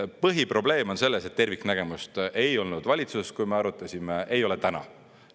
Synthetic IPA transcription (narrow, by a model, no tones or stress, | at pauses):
pɤɦipro̞ble̞ːmo̞nse̞lːese̞t̪ːe̞rviknæɡ̥e̞must̪ʔe̞jo̞lnud̪̥vɑlʲit̪suskujmeɑɾut̪ːˑɑsʲimeejo̞let̪ænɑ̰